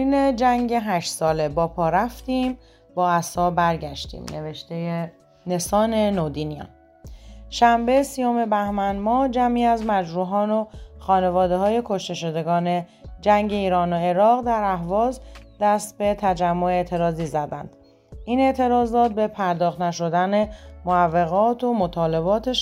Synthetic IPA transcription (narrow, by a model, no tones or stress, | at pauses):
ined͡ʒæŋɟeɦæʃt̪sɒːle̞bɒːpʰɒːɾæft̪iːm | bɒːæsɒːbæɾɟæʃt̪ḭːmne̞ve̞ʃt̪e̞je | ne̞sɒːne̞nod̪inijɒ̰ː | ʃæmbe̞siːjo̞me̞bæhmænmɒːd͡ʒæmiːæzmæd͡ʒɾuːɦɒːnoxɒːne̞vɒːd̪e̞ɦɒːje̞kʰo̞ʃt̪e̞ʃo̞d̪e̞ɡɒːne̞ | d͡ʒæŋɟe̞iːɾɒːnoe̞ɾɒːɣd̪æɾæɦvɒːzd̪æst̪be̞t̪ʰæd͡ʒæmːo̞e̞ːt̪ʰe̞ɾɒːziːzæd̪æ̰nd̪̥ | iːne̞ʔt̪ʰe̞ɾɒːzɒːt̪̚be̞pʰæɾd̪ɒːxt̪næʃo̞d̪æne̞moævːe̞ɣɒːt̪ʰomot̪ʰɒːle̞βɒːt̪ʰeʃ